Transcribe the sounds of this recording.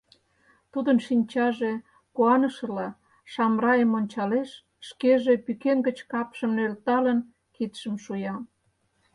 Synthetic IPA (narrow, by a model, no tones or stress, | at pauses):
t̪ud̪ənʃinʲt͡ɕɑʒe | kuɑnəʃəlɑ | ʃɑmrɑjəmonʲt͡ɕɑleʃ | ʃkeʒepykenɡət͡ɕkɑpʃəmnølt̪ɑlən | kit̪ʃəmʃujɑ